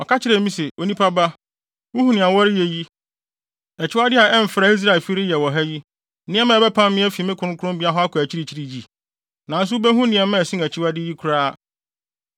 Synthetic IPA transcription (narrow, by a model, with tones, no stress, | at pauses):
ɔ˨ka˦t͡ɕʰɪ˦ɾɛ˨˦mĩ˦se˨ʔo˨˦nĩ˦pʰa˦ba˦ | wʊ˦hu˨nɪ̃˨a˨wɔ˦ɾɪ˦je˨ji˦ | ɛ˨t͡ɕʰɪ˦wa˦dɪ˦a˨ɛ˦m̩˨fɾa˨i˦s̬ɾa˦˨ɪ˨fi˦ɾɪ˦jɛ˨wɔ˨ɦɛ˦ji˦ | nɪ̃˦ɛ̃˦mã˦˨bɛ˦pʰã˦mːɪ̃˦ɛ˦fi˨˦mɪ̃˦kʰʊ˨˦ɾʊ̃˦kʰʊ˦ɾʊ̃˦mbi˦a˦ɦɔ˦a˦kʰæ˨t͡ɕʰi˦ɾi˨t͡ɕʰi˦ɾi˨ji˨ | nã˨n̩˦s̬ʊ˦bæ˦ɦũ˦nɪ̃˨ɛ˨mɛ̃˦˨sĩ˦æ˨t͡ɕʰɪ˦wa˦dɪ˦ji˦kʰu˨ɾaː˦˨